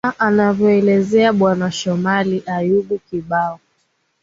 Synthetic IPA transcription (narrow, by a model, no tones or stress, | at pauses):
ʔanavjɔɛlɛzɛaɓwanaʃɔmaliʔajuɡukiɓaɔ